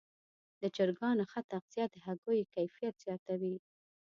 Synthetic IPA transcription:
d̪əd͡ʒəɾɡɑnoxat̪aqzijɑd̪əhaɡojkajfijat̪z̥jɑt̪awi

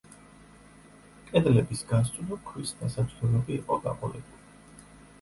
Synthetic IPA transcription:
kʼɛd̪lɛbisɡanssʼud̪ɔkʰwisd̪asat͡ʃʰʼlɛlɛbiːqʼɔd̪a̰qʼɔlɛ̰buli

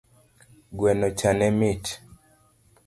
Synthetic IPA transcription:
ɡwɛnɔt͡ʃanɛmit

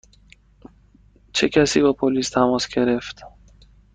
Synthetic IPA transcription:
t͡ʃʰekʰæsibɔpʰolist̪ʰamɔsɡeɾeft̪

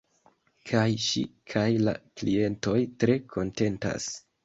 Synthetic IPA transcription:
kʰajʃḭkʰajla̰klie̞nto̞jtɾe̞kʰo̞nte̞nta̰s

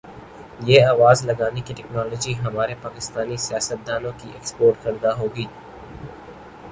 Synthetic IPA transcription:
jeːaːʋaːzlɐɡaːnekiʈɛknɔːlɔːd͡ʒiɦɐmaːɾepaːkɪst̪aːnisijaːsət̪̚d̪aːnõkiʔekspoːɾʈkɐɾd̪aɦoːɡiː

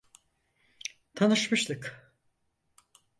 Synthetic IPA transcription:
t̪ʰanɯʃmɯʃlˠɯk

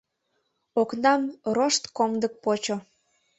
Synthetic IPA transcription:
oknɑmroʃt̪komd̪ək̚pot͡ɕo

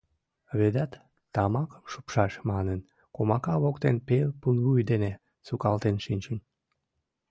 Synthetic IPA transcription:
βed̪æt̪ː | ɑmɑkə̥mʃu̥pʃɑʃmɑnən | komɑkɑβokt̪enpelpunlujd̪ene | sukɑlt̪enʃinʲt͡ɕən

